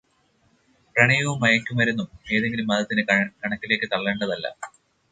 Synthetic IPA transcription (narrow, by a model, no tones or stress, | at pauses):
prɐɳijɐʋumːɐjɐkʲːumɐɾunːume̞ːðe̞ŋɡilumːɐðɐt̪ːinɨkɐɳɐkːileːkːɨt̪ɐɭːeɳɖɐðɐlːɐ̰